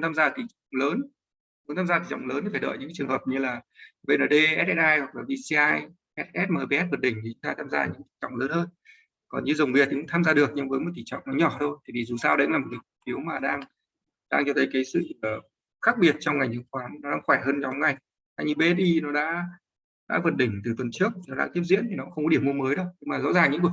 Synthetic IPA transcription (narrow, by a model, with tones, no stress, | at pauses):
nt̪ʰaː˧mzaː˧t̪ʰi˨˩t͡ɕwŋ͡mləː˨˦n | m˨˦nʰaː˧mzaː˧t̪i˨˩t͡ɕɔ̰˧˨wŋ͡mləː˨˦nt̪i˨˩fa˧˩ɗə̰ː˧˨jɨ̰˧˥kːt͡ɕɨ˨˩əŋhəː˨˩p̚ɲɨ˧laː˨˩ɓe˧nʔəː˧˩ɗe˧ʔɛ˦˥t̚ʔɛ˦˥t̚ʔaː˧jwa˨˩k̚laː˨˩vi˧si˧aː˧j | ʔɛ˦˥t̚ʔɛ˦˥t̚maː˨˩ɓe˧ɛ˦˥t̚və˨˩t̚ɗï˧˩ŋ̟t̪i˨˩t͡ɕʊ˧˦ŋ͡m̪ʰaː˧t̪ʰaː˧mza̰ː˧ɲɨ̰˧˥ŋt̪i˧˩t͡ɕɔ̰˧˨wŋ͡mləː˨˦nhəː˧n | kɔ˨˩nɲɨ˧zə˨˩wŋ͡mvi˨˩t̪̚i˨˩kʊ̰˧˥ŋ͡mt̪ʰaː˧mzaː˧ɗɨ˨˩ək̚ɲɨ˨˧˦ŋvəː˨˦jmo˨˩t̪ʰi˧˨˩t͡ɕɔ̰˧˨wŋ͡mnɔ˨˦ɲɔ˧˩t̪ʰo˧jt̪ʰi˨˩t̪i˨˩zu˨˩saː˧wɗə˧˥naː˨˩mo˨˩ka˨˦kfi˨˦əwmaː˨˩ɗaː˧ŋ | ɗaː˧ŋt͡ɕɔ˧t̪ʰə˨˦jkaː˨˦jsɨ̰˧˨əː˨˩ | xaː˦˥k̚ɓi˨˩ət̚t͡ɕɔ˧wŋ͡mŋa˨˩jŋɲɨ̰˧˦ŋkwaː˨˦nnɔ˨˦ɗaː˧ŋxwɛː˧˩jhəː˧nɲɔ˨˦wŋ͡mŋa˨˩j | t̪ʰaː˧jɲɨ˧ɓe˧˦˥ɗi˧nɔ˨˦ɗa̰ː˧˥ | ɗa̰ː˧˥və˨˩t̚ɗï˧˩ŋ̟t̪ɨ˨˩t̪wə˨˩nt͡ɕɨ˦˥ək̚t̪i˨˩nɔ˨˦ɗaː˧ŋt̪i˦˥əp̚zḭ˧˥ənt̪ʰi˨˩nɔ˨˦xə˧ŋ͡mkɔ˦i˧˩əmːu˧əməː˨˦jɗə˧˦wɲɨ˧ŋmaː˨˩zɔ̰˧˥zaː˨˩ŋɲɨ̰˧˥ŋku˧˩ə˩